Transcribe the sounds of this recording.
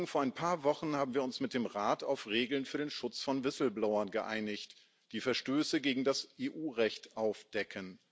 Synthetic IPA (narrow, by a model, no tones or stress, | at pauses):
ŋfoːɐʔaɪnpʰaːɐvɔχn̩haːbm̩viːɐʊnsmɪt̚d̥eːmʁaːta̰ʊfʁeːɡl̩nfyːɐɾeːnʃʊt͡sfɔnvɪsl̩blaʊɐnɡəʔa̰ɪnɪçt | d̥iːfɛɐʃtøːsəɡeːɡŋ̩dasʔeːʔuːʁɛçtʔaʊfd̥ɛkʰən